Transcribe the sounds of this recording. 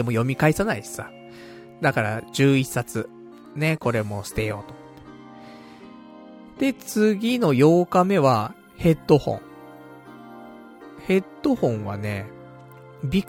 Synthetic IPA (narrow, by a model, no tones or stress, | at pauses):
emo̞jo̞mʲikaisanaissa | d̪akaɾa̰ʑɨːisːat͡sɨ | ne̞ko̞ɾe̞mo̞ɕɨ̥t̪e̞jo̞ːt̪o̥t̪ːe̥ | d̪̥e̞t͡sɨɡʲino̞jo̞ːkame̞βa | he̞t̪ːo̞hõ̞̰ɴ | he̞t̪ːo̞hõ̞ɰ̃βa̰ne̞ | bʲik